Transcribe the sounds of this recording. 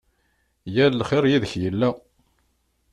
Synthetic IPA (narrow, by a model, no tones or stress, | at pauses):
jællχɪɾjiðəçjəlːæ